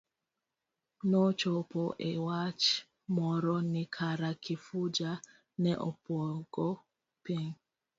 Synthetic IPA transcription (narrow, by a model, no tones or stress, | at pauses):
nɔt͡ʃɔpɔʔewat͡ʃ | mɔɾɔnikʰaɾakʰifud͡ʒa | nɛʔɔpwɔɡ̥ɔ | piŋ